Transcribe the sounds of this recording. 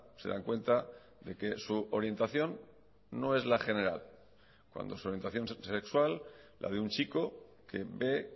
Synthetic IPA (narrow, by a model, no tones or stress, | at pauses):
se̞ða̰ŋkwe̞nt̪a | ðe̞ke̞suo̞ɾje̞nt̪aθjo̞nː | o̞e̞zlaxe̞ne̞ɾal | kwa̰nd̪o̞su̞ɾje̞nt̪aθjo̞nse̞kswalː | ʔa̰ðeunt͡ʃiko̞ | ke̞βe̞